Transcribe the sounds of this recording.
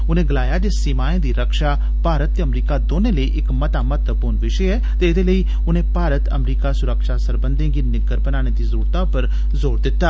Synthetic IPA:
ʊnẽːɡəlaːjaːd͡ʒeːsimaːẽd̪iːɾəkʃaː | paːɾət̪̚t̪ːeɐmɾiːkad̪oːneləiʔɪkmɐt̪amət̪əpuːnʋɪʃeɛː | t̪eɪd̪eːləi | ʊnẽːpaːɾət̪ə̰mɾiːkasʊɾəkʃasəɾbə̃nd̪ẽɡinɪɡəɾpənaːñed̪iːzəɾuːɾt̪ãpəɾ | zoːɾd̪ɪt̪ːaː

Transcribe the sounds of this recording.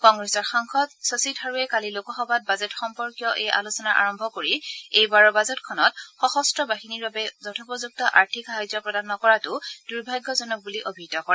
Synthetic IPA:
kɔŋɡɹesɔɹxaŋxɔtsositʰaɹuɛkalilokɔxɔbat̚bazɛtxɔmpɔɹkijɔʔejʔa̰lusɔnaʔa̰ɹɔmbʱɔkoɹiejbaɹɔbazɛtkʰɔnɔtxɔxɔstɹɔbaɦiniɹbabɛzɔtʰɔpɔzuk̚tɔʔa̰ɹtʰikaɦɔjzɔpɹɔdanːɔkɔɹatʊd̥uɹbʱajɡjɔzɔnɔk̚buliʔobʱitɔkɔɹɛ

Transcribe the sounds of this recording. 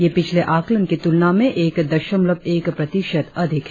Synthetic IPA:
jepɪt͡ʃʰleʔaːklənkit̪ʊlnamẽʔeːkd̪ɐʃəmləbeːkpɾɐt̪ɪʃəd̪ɐd̪ʱɪk

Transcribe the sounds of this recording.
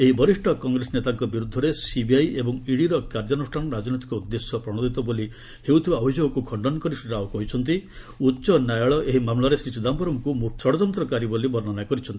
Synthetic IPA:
eɦibɔɾisʈʰɔkɔŋɡɾesnet̪aŋkɔbiɾud̪ʱːɔɾesibiajebɔŋiɽiɾɔkaɾd͡ʒanusʈʰanɔɾad͡ʒnit̪i̥kɔud̪ːesjɔpɾɔɽ̃ɔd̪it̪ɔboli | hewt̪ʰibaɔbʱid͡ʒoɡɔkukʰɔɳɖɔnkɔɾisiɾawkɔɦit͡ʃʰɔnt̪̬i | utːʃɔnajɔɭɔʔeɦimamɭaɾesisud̪ambɔɾɔmkumuksɔɽɔd͡ʒɔnt̪ɾɔkaɾibolibɔɾnɔnakɔɾit͡ʃʰɔnt̪i

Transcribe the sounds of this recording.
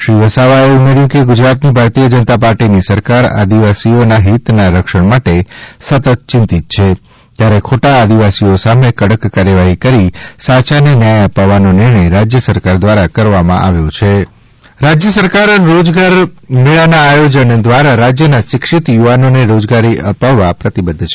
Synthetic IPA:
ʃɾiʋəsaʋaeumeɾjũkeɡʊd͡ʒɾat̪nibʱaɾt̪ijəd͡ʒənət̪apaɾʈinisəɾkaɾa̰d̪iʋasionaɦit̪naɾəkʃəɳmaʈesət̪ət̪̚t͡ʃɪ̃nt̪it̪̚t͡ʃʰe | t̪jaɾekʰoʈaːd̪iʋasiosamekəɽəkːaɾjəʋaɦikəɾisat͡ʃanenjajəpaʋːanonɪɾɳəjɾad͡ʒjəsəɾkaɾd̪ʋaɾakəɾʋamã̰ʔaʋjot͡ʃʰe | ɾad͡ʒjəsəɾkaɾːod͡ʒɡaɾmeɭanaːjod͡ʒənd̪ʋaɾaɾad͡ʒjənaʃɪkʃɪt̪juʋanoneɾod͡ʒɡaɾiʔəpaʋːapɾət̪ibəd̪ʱːt͡ʃʰ

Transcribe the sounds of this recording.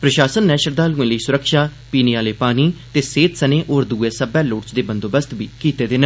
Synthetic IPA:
pɾəʃaːsənːɛːʃəɾd̪aːluːẽːləiːsʊɾəkʃaː | piːneːaːleːpaːniːt̪eːseːt̪səneːʔoːɾd̪uːeːsəbɛːloːʈt͡ʃd̪eːbənd̪oːbəst̪biːkiːt̪eːd̪ɪn

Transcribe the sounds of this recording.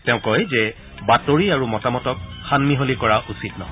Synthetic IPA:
tɛʊ̃kɔjzɛ | batoɹiaɹumɔtamɔtɔk̚xanmiɦolikɔɹaʔusitnɔɦɔ

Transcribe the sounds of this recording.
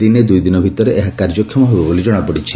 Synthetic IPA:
d̪ined̪ujd̪inɔbʱit̪ɔɾeʔeɦakaɾd͡ʒɔkʰːjɔmɔɦebɔbolid͡ʒɔɽ̃apɔɽit͡ʃʰi̥

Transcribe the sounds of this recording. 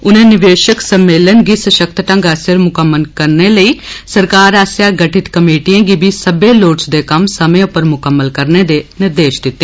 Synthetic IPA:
ʊnẽːnɪʋeːʃəksəmːeːlənɡiːsəʃəkt̪ʈə̃ŋɡɛːsəɾmʊkəmːənkəɾneːləiːsəɾkaːɾaːsjaːɡəʈɪt̪kəmeːʈiːãːɡibiːsəbeːloːʈsd̪eːkəmsəmẽːʊpːəɾmʊkəmːəlkəɾneːd̪eːnɪɾd̪eːʃd̪ɪt̪ːeː

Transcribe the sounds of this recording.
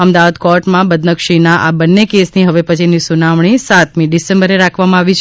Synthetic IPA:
əmd̪aʋad̪kɔɾʈmãbəd̪nəkʃinaʔabənːekesniɦəʋepət͡ʃʰinisunamɳ̃isat̪mĩɖisẽmbəɾeɾakʰʋamãaʋit͡ʃʰ

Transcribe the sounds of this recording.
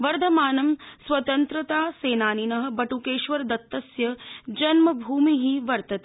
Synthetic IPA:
ʋɐɾd̪ʱɐmaːnɐmsʋɐt̪ɐnt̪ɾɐt̪aːseːnaːninɐɦɐ̆bɐʈuːkeːʃʋɐɾd̪ɐt̪ːɐsjɐd͡ʒɐnmɐbʱuːmiɦiʋɐɾt̪ɐt̪e

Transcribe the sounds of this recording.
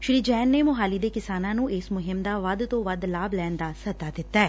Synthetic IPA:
ʃʊɾiːd͡ʒɛːnːeːmʊɦaːliːd̪eːkɪsaːnãːnũːɪsmʊɦɪmd̪aːʋəd̪t̪õːʋəd̪laːblɛːnd̪aːsət̪aːd̪ɪt̪ːaɛː

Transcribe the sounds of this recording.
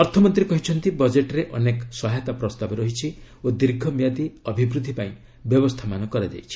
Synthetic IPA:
ɔɾt̪ʰɔmɔnt̪ɾiekɔɦit͡ʃʰɔnt̪ibɔd͡ʒeʈɾeʔɔneksɔɦajt̪apɾɔst̪abɔɾɔɦit͡ʃʰi | od̪iɾɡʱɔmjad̪iɔbʱibɾud̪ʱːipaĩ | bjɔbɔst̪ʰamanɔkɔɾed͡ʒ̪ḛjt͡ʃʰi̥

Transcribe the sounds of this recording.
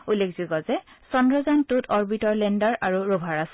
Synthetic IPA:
ulːekʰz̥iɡɔzɛsɔndɹɔzantutʰɔɹbitɔɹlɛndaɹaɹuɹobʱaɹasɛ̥

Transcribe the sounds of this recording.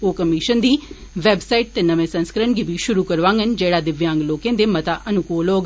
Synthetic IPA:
oːkəmɪʃənd̪iː | ʋɛːbsaːiʈ̚t̪eːnəʋẽːsə̃nskəɾəɳɡiːbiːʃʊɾuːkəɾʋãːŋɡənd͡ʒeːɽaːd̪ɪʋjãːŋɡloːkẽːd̪eːmət̪aːʔənʊkoːloːɡ

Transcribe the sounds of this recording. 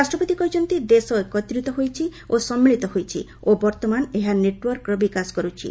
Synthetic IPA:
ɾasʈɾɔpot̪ikɔd͡ʒɔnt̪id̪esɔkɔt̪ɾit̪ɔɦojt͡ʃʰiosɔmːiɭit̪ɔɦojt͡ʃʰḭ | obɔɾt̪ɔmaneɦaneʈwɔɾkɾɔbikaskɔɾut͡ʃʰḭ

